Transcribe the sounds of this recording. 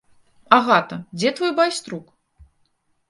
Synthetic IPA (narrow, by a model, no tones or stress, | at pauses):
aɣat̪ɐd͡zʲɛt̪vɔjbajst̪ɾuk